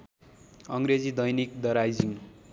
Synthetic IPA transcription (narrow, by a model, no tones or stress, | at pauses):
ʌŋɾed͡zid̪ʌjnik̚d̪ʌɾajd͡ziŋ